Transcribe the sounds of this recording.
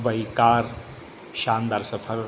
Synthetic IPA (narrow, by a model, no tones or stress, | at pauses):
bɐjkaːɾ | ʃaːnd̪aːɾsɐfʰəɾ